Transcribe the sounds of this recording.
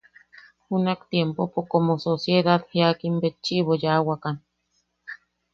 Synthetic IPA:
hunakt̪jempopokomososjed̪aðheakimbet͡ʃːiβojawakan

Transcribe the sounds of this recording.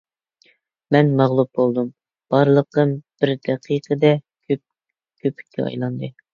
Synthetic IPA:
mɛnmɑʁlˠup̚bolˠd̪um | b̥ɑɾlˠəq̪̚ɨnb̥ɪɾd̪ɛqʰiqʰəd̪ɛ | kʰʲøp̚ | kʲʰøpʰi̥kʲʰːɛɑ̰jlˠɑnd̪ɨ

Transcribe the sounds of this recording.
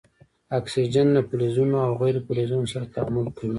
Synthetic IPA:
aksid͡ʒanːapʊlezunoawɣajɾepulezunosaɾat̪amʊlkawi

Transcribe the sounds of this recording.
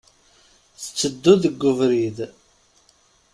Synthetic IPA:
θə̥t͡sːəd̪ːuðəɡːʊvɾið

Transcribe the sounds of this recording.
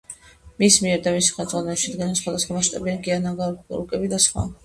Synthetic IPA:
mismiɛɾd̪amisi̥χɛmt̪zʼʁwanɛlbʃid̪ɡilɛnsχwad̪asχwamaʃt̪ʼabiankʼianaɡaɾṵkʼɛbid̪asχwa̰

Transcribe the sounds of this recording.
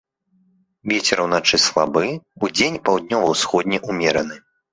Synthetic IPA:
vʲet͡sʲɛɾɐwnat͡ʂɨslˠabɨud͡zʲenʲpawd̪̚nʲɔvɐwsxɔd̪ʲnʲɛʔumʲɛɾɐnɨ

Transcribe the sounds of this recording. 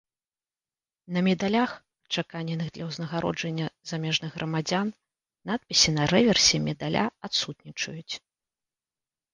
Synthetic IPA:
nɐmʲɛd̪alʲax | t͡ʂakanʲɛnɨɣd̪lʲɐwznɐɣaɾɔ̰d͡ʐɐnʲːɐzamʲɛʐnɨɣɣɾʔɐmad͡zʲan | nat̪̚pʲisʲinɐɾɛvʲɛrsʲimʲɛd̪alʲʔa̰at̪sut̪̚nʲit͡ʂɐjut͡sʲ

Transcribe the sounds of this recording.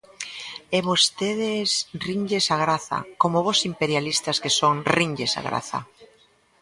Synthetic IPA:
eβost̪eðesriɲʎesaɣɾaθa̰komoβosimpeɾjalist̪askesoŋriɲɟesa̰ɣɾa̰θa̰

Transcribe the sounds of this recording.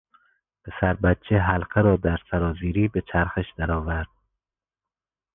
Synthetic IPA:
b̥ʰesæɾbæt̪̚t͡ʃʰeɦælqʰeɾɒːd̪æɾsæɾɒːziːɾiːbet͡ʃʰæɾxeʃd̪̥æɾɒːvæɾd̪̥̚

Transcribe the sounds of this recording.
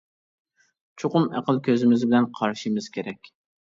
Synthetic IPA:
t͡ʃʰoqʊmæ̰qəlˠkʲʰøzɪmɪzbɪlɛnqʰɑɾʃimɨz̥kʲʰeɾɛkʲ

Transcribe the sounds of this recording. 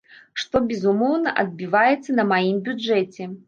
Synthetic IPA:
ʂt̪ɔbʲɛzumɔwnɐʔɐd̪̚bʲivajɛt̪sːɐnɐmajimbʲud͡ʐɛt͡sʲɛ

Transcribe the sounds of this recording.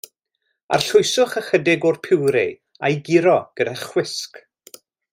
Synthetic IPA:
a̰rɬʊjsʊχəχədɪɡʊrpʰɪwɾɪ̰ | ajɡɪɾɔɡ̥ədɛχw̥ɪsk

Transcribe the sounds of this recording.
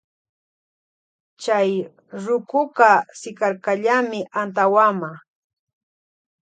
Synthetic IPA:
t͡ʃaj | ɾʊkʊkasɪkaɾkaʎamɪʔant̪awama

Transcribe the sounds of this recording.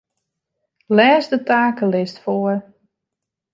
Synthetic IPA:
lɛːzdətaːkəlɪstfoər

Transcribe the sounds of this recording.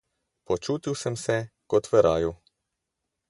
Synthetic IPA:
pɔt͡ʃuːt̪iwsəmsɛkɔt̪ʋɛɾaːju

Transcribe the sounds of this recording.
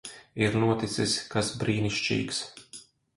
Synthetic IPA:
iɾnuɔt̪it̪siskasbɾiːniʃt͡ʃḭːks

